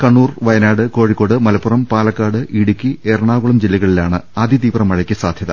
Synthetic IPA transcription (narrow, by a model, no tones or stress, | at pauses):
kɐɳːuːrʋɐjɐnaːɽɨko̞ːɻikːo̞ːɽɨmɐlɐpːurɐmpaːlɐkːaːɽɨʔiɽukʲːierɐɳaːɣuɭɐmd͡ʑilːiɣɐɭilaːɳɨaːd̪ʱit̪iːbrɐmːɐɻɐkʲːɨsaːd̪ʱjɐðɐ